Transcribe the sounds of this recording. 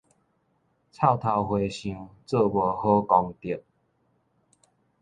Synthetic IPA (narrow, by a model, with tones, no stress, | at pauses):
t͡sʰa˥˨ʊt̪ʰa˧whwe˧ɕĩ˧ŋt͡sə˥˧˨bə˨˩ho˦kɔ˧ŋt̪i˨˩p̚